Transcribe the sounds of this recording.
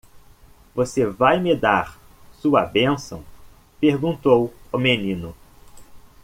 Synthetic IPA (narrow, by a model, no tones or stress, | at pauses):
vosevajmɪd̪aɾ | suɐ̰bẽsɐ̰̃w̃ | peɾɡũnt̪owʊmenĩnʊ